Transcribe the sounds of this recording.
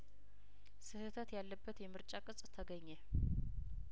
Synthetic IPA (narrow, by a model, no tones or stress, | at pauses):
sɨhɨt̪ʰət̪jalːəbːət̪jɛmɨɾt͡ʃʼakʼɨsʼt̪ʰəɡəɲːe